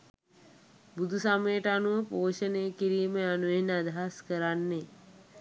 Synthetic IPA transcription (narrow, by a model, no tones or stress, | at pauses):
bud̪ʱusamejəʈanuʋəpoːʃəneːkiɾiːmeanuʋenad̪ʱaɦaskəɾanːe